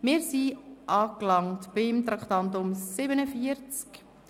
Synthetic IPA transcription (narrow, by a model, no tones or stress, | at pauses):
mɪːɾsiʔɑːklɑŋtb̥ɪmt̪ɾɑkχt̪ɑntʊmsɪbənəfiəɾt͡sk